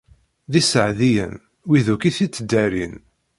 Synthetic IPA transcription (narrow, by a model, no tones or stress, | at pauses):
ðisəʕðijə̰n | wiðukiθit͡sːəd̪ːæɾin